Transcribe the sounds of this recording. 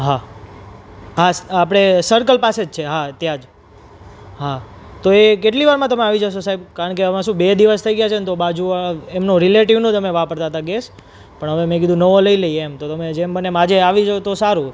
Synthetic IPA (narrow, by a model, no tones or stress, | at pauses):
ɦa | ɦasapɽ̃esəɾkəlpased͡ʒt͡ʃʰeɦat̪jãd͡ʒ | ɦa | t̪oekeʈliʋaɾmãt̪əmeaʋid͡ʒəʃosaɦibkaɾəɳkeəʋãʃũbed̪iʋəst̪ʰəiɡəjat͡ʃʰent̪obad͡ʒuemnoɾileʈiʋnõd͡ʒəmeʋapəɾt̪at̪aɡes | pəɳɦəʋemẽk̬id̪ʱũnəʋoləiləiemt̪ot̪əmed͡ʒembənemad͡ʒeaʋid͡ʒot̪osaɾu